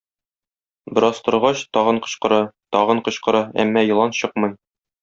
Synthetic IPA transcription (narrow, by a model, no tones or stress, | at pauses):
bɤ̆ɾɑst̪ɤ̆ɾʁɑɕt̪ɒʁɤɴqɤ̆ɕqɤ̆ɾɑt̪ɒʁɤ̆ɴqɤ̆ɕqɤ̆ɾɑæ̰mːɑjɤ̆lˠɑnɕɤqmɤj